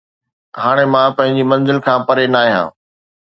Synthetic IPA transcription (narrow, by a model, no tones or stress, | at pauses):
ɦaːɽ̃emãpɐ̃ɦɪ̃ɲd͡ʑimɐ̃nzɪlkʰãːpɐɾenaːiɦã̰ː